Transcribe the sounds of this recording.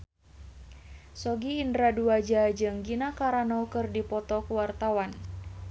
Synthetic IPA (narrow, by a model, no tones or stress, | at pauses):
sɔɡiːndɾaduad͡ʒad͡ʒɨŋɡinakaɾanɔkɨrdipɔt̪ɔkuwart̪awan